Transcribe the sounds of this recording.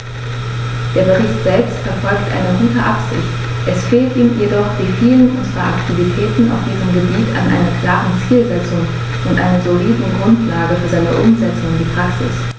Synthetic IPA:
d̥eːɐbəʁ̞ɪçtz̥ɛlpstfɛɐfɔlktʔa̰ɪnəɡuːtəʔapz̥ɪ̰çt | ʔɛsfeːltʔiːmjedɔχd̥iːfiːlənʔʊnzʁaaktʰivitʰɛːtn̩a̰ʊfd̥iːʁəmɡəbiːtʰa̰nʔa̰ɪnɐkʰl̥aːʁənt͡siːlzɛt͡sʊŋ | ʊntʔa̰ɪnɐzoliːdn̩ɡʁʊntʰlaːɡəfyːɐzaɪnə̰ʔʊmzɛt͡sʊŋndiːpʁ̥aksɪ̰s

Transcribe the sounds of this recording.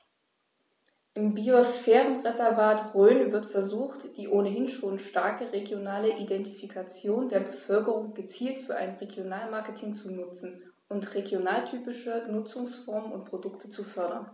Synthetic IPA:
ʔɪmbiosfɛːʁənʁezɛɐvaːtʁøːnvɪɐtfɛɐzuːxtd̥iːʔoːnəɦɪnʃoːnʃtaɐkəʁeɡjonaːləʔidɛntifikʰat͡sjoːndeːɐbəfœlkəʁʊŋɡət͡siːltfyːɐʔa̰ɪnʁeɡjonaːlmaɐkətʰɪŋt͡sunʊt͡sn̩ | ʔʊntʁeɡjonaːltʰyːpɪʃənʊt͡sʊŋsfɔɐmənʊ̰nt̚pʁ̥odʊktʰət͡sufœɐɾɐ̰n

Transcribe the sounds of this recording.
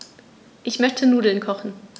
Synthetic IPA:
ʔɪçmœçtʰənuːdl̩nkʰɔχn̩

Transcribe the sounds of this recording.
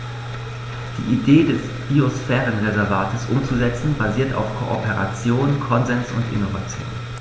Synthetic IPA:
d̥ḭːʔideːdɛs | b̥iosfɛːʁənʁezɛɐvaːtəsʔʊmt͡suzɛt͡sn̩baziːɐta̰ʊfkʰoʔopeʁa̰t͡sjoːnkʰɔnzɛnsʊ̰ntʔɪ̰novat͡sjo̰ːn

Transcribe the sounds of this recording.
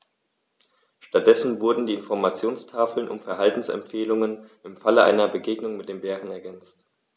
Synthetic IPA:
ʃtat̚d̥ɛsn̩vʊɐdn̩diːɪnfɔɐmat͡sjoːnstʰaːfl̩nʔʊ̰mfɛɐɦaltn̩sɛ̰mpfeːlʊŋənʔɪmfaləʔa̰ɪnɐbəɡeːɡnʊŋmɪt̚d̥eːmbeːʁənɛɐɡɛnt͡st

